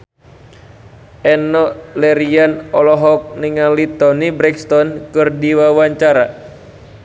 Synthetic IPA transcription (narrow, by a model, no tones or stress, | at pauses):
ʔɛnɔlɛɾianɔlɔɦɔk̚niŋalit̪ɔnibɾɛkst̪ɔnkɨrdiwawaɲt͡ʃaɾa